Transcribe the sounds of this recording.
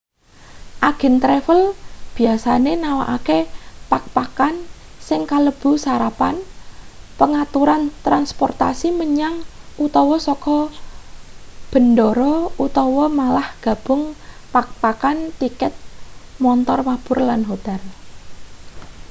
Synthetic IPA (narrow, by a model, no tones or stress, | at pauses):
ʔaɡ̥ə̤nt̪ɾefəlb̥i̤asanenawa̰ʔakepak̚pakan | sɪŋkaləb̥ṳsaɾapan | pəŋat̪uɾant̪ɾanspɔrt̪a̰siməɲaŋʔut̪ɔwɔsɔkɔ | b̥ə̤ndɔɾɔut̪ɔwɔmalahɡ̥a̤b̥ʊ̤ŋpak̚pakant̪ikɛt̪̚mɔnt̪ɔrmab̥ʊ̤rlanɦot̪ɛl